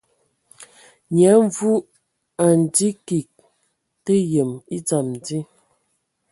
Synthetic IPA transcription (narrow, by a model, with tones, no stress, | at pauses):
ɲa˨˦ɱ˦vu˦ | a˨n˨di˦ki˨k̚ | te˦je˨mi˦d͡za˨m˨di˦